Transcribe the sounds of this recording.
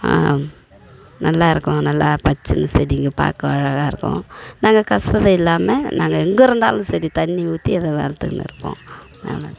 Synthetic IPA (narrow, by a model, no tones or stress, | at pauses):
a̰ː | nɐlːaːɪɾɯkːõnɐlːapɐt͡ʃːɯnɯsɛɾiŋɡɯpa̰ːkːɐʋɐɻɐɣaːɪɾɯkːõ̰naːŋɡɐkɐsɾɐðɐɪlːaːmenʔaːŋɡɐɛŋɡɯɪɾɯnd̪a̰ːlɯ̃sɛɾit̪ɐnːiʋuːt̪ːiɐðɐʋḛːlɐt̪ːɯkːnɪ̰ɾɯkːõ̰ː | na̰lɐ